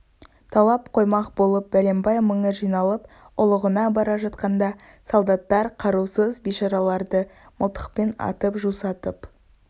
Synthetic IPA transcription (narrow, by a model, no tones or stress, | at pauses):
t̪ʰɑlˠɑp̚qʰo̞jmɑqbo̞lˠəp̚bæle̞mbɑjməɴəʒijnɑlˠəp̚ | ʊlˠəʁənɑbɑɾɑʒɑt̪qɑnd̪ɑ | solˠd̪ɑt̪ːɑɾqʰɑɾusəzbijʃɑɾɑlˠɑɾd̪əməlˠt̪ə̥q̚penɑ̰t̪əpʒusɑt̪əp